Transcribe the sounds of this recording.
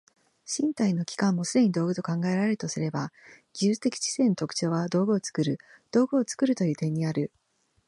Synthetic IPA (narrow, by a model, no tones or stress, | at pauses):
ɕĩnt̪aino̞kʲi̥kãmːo̞sɨd̪e̞ɲ̟id̪o̞ːɡɯ̟t̪o̞kãŋɡaeɾaɾe̞ɾɯ̟̥t̪osɨɾe̞baɡ̥ʲiɯːt͡st̪e̞kʲi̥t͡ɕi̥se̞ːnot̪o̞kɯ̟̥t͡ɕo̞ːβad̪o̞ːɡɯ̟o̞t͡sɨ̥kɯ̟ɾɯ̟ | d̪̥o̞ːɡɯ̟ot͡sɨ̥kɯ̟ɾɯ̟t̪o̞jɯ̟ːt̪ẽ̞ɲ̟ːiaɾɯ̟